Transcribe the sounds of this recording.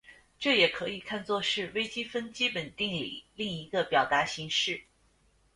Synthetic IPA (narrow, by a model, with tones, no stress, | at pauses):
ʈ͡ʂɤ˥˩jɛ˨˩kʰɤ˧˥i˨˩kʰa˥˧nt͡swɔ˥˧ʂɻ̩˥˩we˥ɪt͡ɕi˥fə˥nt͡ɕi˥pə˨˩nt̪i˥˩ŋlḭ˨˩li˥˩ŋi˧˥ɡə˧pjɑ˨˩ʊt̪a˧˥ɕi˧˥ŋʂɻ̩˥˩